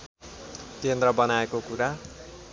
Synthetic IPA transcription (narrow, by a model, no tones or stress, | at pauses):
kend̪rʌbʌnaekokuɾa